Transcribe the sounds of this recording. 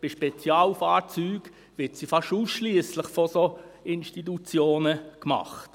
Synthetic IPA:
b̥ɪʃpɛt͡sjaːlfaːɾt͡syːɡ̥ | ʋɪtsifɑʃuːsʃliəsləχfɔsoɪnʃtit̬ut͡sjoːnəkmɑ̰χt

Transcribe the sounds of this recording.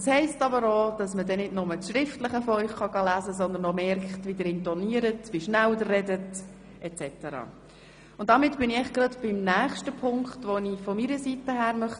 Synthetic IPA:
shɛɪstɑbəɾoːd̥ɑsmədɛnɪdnʊmət͡sʃɾɪftləχəfɔœʏχχɑɡɑlæːzəsɔnd̪ənomɛɾkχtʋidəɾɪntɔniəɾətʋiʃnældərːɛdət | ɛt͡sɛtəɾɑ̰ː | ʊnt̚dɑmɪtb̥ɪnɪɛχɡ̥ɾɑdb̥ɪmnæːχʃtəpʰʊŋkχtʋonifɔmiːɾəsitəhæːɾmœχ

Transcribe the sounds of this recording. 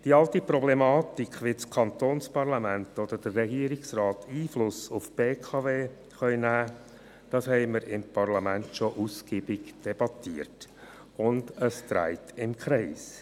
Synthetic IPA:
d̥iːɑltipɾɔblɛmɑːt̪ikχʋɪt͡skʰɑnt̪oːnspɑɾlɑmæntod̥̪əd̥ərːɛɡiəɾɪksrɑːtiːflʊsʊfb̥eːkʰɑveː | χœʏnæː | d̥ɑshɛɪməɾɪmpʰɑɾlɑmæntʃoʔuskiːbɪɡd̥ɛb̥ɑtiəɾt | ʊndəst̪ɾæ̰ɪtɪmkχɾɛs

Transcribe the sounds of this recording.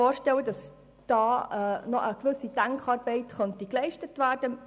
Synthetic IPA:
ɔːɾʃtɛwədɑs | d̥ɑːnɔʔəkʋɵsːid̥æŋkχɑːɾb̥ɛɪtχœntiklɛɪʃtətʋæːrd̥ə

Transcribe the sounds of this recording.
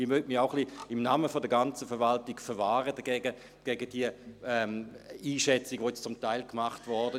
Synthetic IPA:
imœtmiʁaʊχliɪmnaːməfɔdəɐɡant͡səfɛɐvaltiɡfɛɐvaːʁəd̥ɐɡ̥ɛːɡə | ɡ̥ɛːɡəd̥iəɛmiːʃɛt͡siɡəʋoːjɛt͡st͡sʊmtaɪlkmaχtvɔʁdə

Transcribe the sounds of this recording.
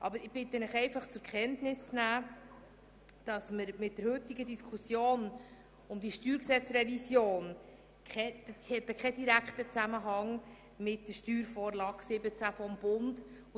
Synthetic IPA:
ʔɑbəɾɪb̥ɪt̪ːənɪχɛɪfɑχt͡sʊɾkχɛntnɪsnæː | d̥ɑsməɾmɪt̚d̥əɾhɵt̪iɡədiskʰusjoːn | ʊmd̪iʃtyːɾksɛt͡srɛvisjoːn | kχɛhɛt̪ːəkʰχɛdiɾækχtət͡sæməɦɑŋ | mɪtdəʃtyːɾfɔːɾlɑːɡsɪbət͡sæfɔmb̥ʊnd

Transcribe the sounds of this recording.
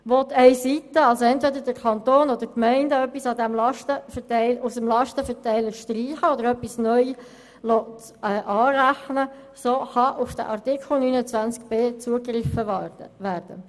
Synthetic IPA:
ʋɔt̪ɛɪsitəɑlsoɛntʋɛdəɾd̥əɾkʰɑnt̪oːnɔd̥̪əɾkmɛɪndəœpːisɑd̪ɛmlɑʃtəfətɛɪlusəmlɑʃtəfətɛɪləʃtɾiːχəɔdəɾœpːisnœj | lɔt | ɛːʔɑːɾæχnə | soːχɑʔʊfd̥ə̰ʔɑrtikʰl̩ˠnyːnət͡sʋænt͡skb̥eːt͡suəkrɪfəʋæːɾd̥ə̰

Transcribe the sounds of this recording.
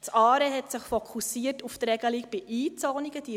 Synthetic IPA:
sɑːɾəɦɛtsɪχfɔkʰusiətuft̪rɛɡ̥əlik̚b̥ɪʔiːt͡sɔːniɡəd̥i

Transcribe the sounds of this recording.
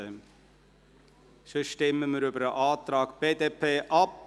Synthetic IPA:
ə | ʃøʃtɛmːəməɾybəɾəʔɑːt̪ɾɑːɡb̥eːd̪epʰeːʔɑp̚

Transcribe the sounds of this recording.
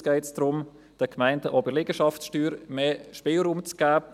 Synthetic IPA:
ɡ̥ɛɪtsd̥ɾʊm | d̥əkʰmæɪndəʔɔbəlɪɡ̥əʃɑftsʃtyːɾmeːʃpɪːlɾuːmt͡sɡ̥æː

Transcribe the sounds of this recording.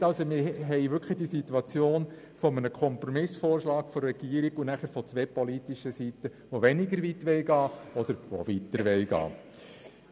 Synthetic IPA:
ɑlsomɪɦɛɪʋʏɾkʰlid̥isituɑt͡sjoːn | fɔmənəkʰɔmprɔmɪsfoːrʃlɑːkfɔrrɛɡ̥iːəɾiɡunæχəɾfɔt͡sʋɛpɔlitiʃəsitə | ʋoʋɛniɡəɾʋitʋɛlɡɑːɔd̪əɾʋo̰ʋitəɾʋɛlɡɑ̰ː

